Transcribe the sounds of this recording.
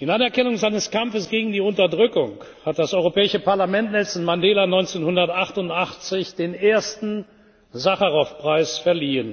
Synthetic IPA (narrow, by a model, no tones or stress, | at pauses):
ɪnanɛɐkɛnʊŋzaɪnəskamfəsɡ̥eːɡŋ̩diːʊntɐdʁʏkʊŋ | hat̚d̥asʔɔʏʁopɛːɪʃəpaɐlamɛntnɛsn̩mandeːlanɔʏnt͡seːnhʊndɐtʔaχtʊntʔaχt͡sɪçd̥eːneːɐstn̩ | zaχɐʁaʊfpʁ̥aɪsfɛɐliːən